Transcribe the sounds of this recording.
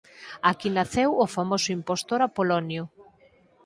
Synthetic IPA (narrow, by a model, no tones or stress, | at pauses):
akinaθewofamosʊimpost̪oɾapolonjo